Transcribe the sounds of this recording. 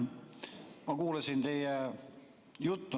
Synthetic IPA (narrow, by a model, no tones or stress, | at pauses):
mɑkuːlɑsint̪e̞jɛ | jut̪ːu